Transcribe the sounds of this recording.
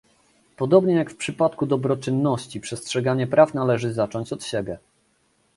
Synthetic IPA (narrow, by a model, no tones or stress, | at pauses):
pɔd̪ɔbɲɛjakfpʂɘpat̪kud̪ɔbɾɔt͡ʂɘnːɔɕt͡ɕipʂɛstʂɛɡaɲɛpɾʔafnalɛʐɘzat͡ʂɔɲt͡ɕɔt̪ɕɛbʲjɛ